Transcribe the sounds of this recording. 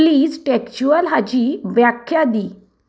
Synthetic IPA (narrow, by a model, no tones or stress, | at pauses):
liːd͡zʈekt͡ɕuəlɦad͡ʑiːʋjakʰːjad̪iː